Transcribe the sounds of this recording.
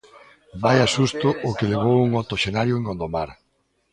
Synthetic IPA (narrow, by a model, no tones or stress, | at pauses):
bajasust̪ʊʔʊkeleβ̞owuŋot̪oʃenaɾjʊeŋɡond̪omaɾ